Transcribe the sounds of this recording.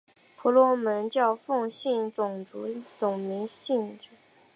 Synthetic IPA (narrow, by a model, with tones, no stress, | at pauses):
pʰu˧˥lwɔ˧˥mə˧˥nt͡ɕjɑ˥˧ʊfɤ˥˧ŋɕi˥˩nt͡sʊ˨˩ŋt͡su˧˥t͡sʊ˨˩ŋmi˧˥ŋɕi˥˩nʈ͡ʂu˨˩˦